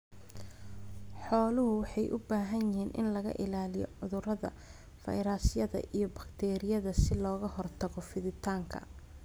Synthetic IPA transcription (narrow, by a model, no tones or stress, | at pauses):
ħɔːlʊɦʊwɑħɑjʔʊbaːɦɐnjɪɦiːnʔɪ̰nlɐɣɐ̰ʔɪlaːlɪjɔ̰ʕʊðʊrɐðɐ̰ | fɐ̰jɾaːsɪjɐðɐ̰ʔijɞbɐkt̪ʰɛːɾɪjɐðɐsɪlɔːɣɐhɔrt̪ʰɐɣɔfɪðɪt̪ʰaːŋkʰɐ̰